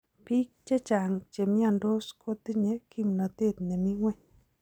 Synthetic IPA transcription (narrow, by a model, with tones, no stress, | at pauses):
pi˦k̚t͡ʃe˦t͡ʃa˨ŋt͡ʃe˨mɪ˦a˨ndo˦skʰo˦t̪i˦ɲe˨ki˦mnɔ˨t̪e˦˨t̪̚ne˨mi˦ŋwɛ˦ɲ